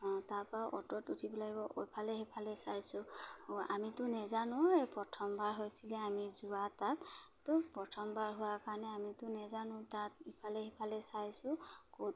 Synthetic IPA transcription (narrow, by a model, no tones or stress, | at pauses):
ɔ̃taɹpɹaʔɔtɔtutʰibɔlaɡibɔʔo̰jpʰalɛɦipʰalɛsajsʊamitʊnɛzanʊ̃ejpɹɔtʰɔmbaɹɦojsilɛamizʊwatattːʊpɹɔtʰɔmbaɹɦʊwakaɹɔnɛamitʊnɛzanʊ̃tatipʰalɛɦipʰalɛsajsʊkot